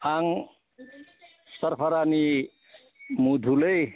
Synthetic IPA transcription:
aŋ | səɾpʰəɾani | mud̪ʱuləj

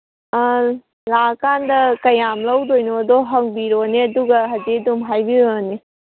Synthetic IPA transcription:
lakandɐkɐjamlɐwd̪ojnoːd̪ɔɦɐŋbiɾoneɐd̪uɡɐɦɐd͡ʒedumɦajbiɾone

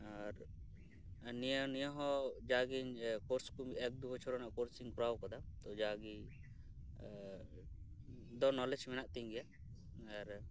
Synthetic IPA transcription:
aɾ | nijənijəɦɔ̃d͡ʒaɡiɲkɔɾskumɛk̚d̪ubɔt͡ʃʰɔɾɔnaʔkɔɾsiŋkuɾawkɔd̪at̪ɔd͡ʒaɡi | d̪ɔnɔlɛd͡ʒmɛnaʔt̪iɲɡɛja | aɾ

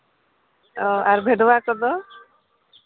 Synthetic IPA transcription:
ɔaɾbʱeɖɔbakɔd̪ɔ

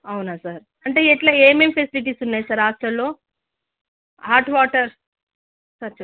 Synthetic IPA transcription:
ɐwnaːsaːɾ | ɐɳʈe̞ːɛʈlaeːmempʰesiliʈ̬iːsunːaːjisaɾːaːsʈɾɐllo̞ː | haːɾʈʋaːʈɐɾ | sɐɾt͡ʃ

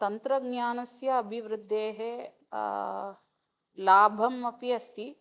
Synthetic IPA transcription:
t̪ɐnt̪ɾɐɡnjaːnɐsjɐːbʱiʋɾɪd̪ʱːeːɦe | laːbʱɐmɐpiɐst̪i

